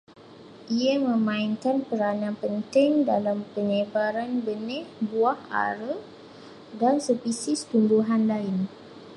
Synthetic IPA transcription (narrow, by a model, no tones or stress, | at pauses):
ʔiamə̃mãɪnkanpəɾanãpənt̪ɪŋdalampəɲə̃baɾanbənɛ̃hbuaha̰ɾə | dansəpisɪst̪unduɦanlaɪn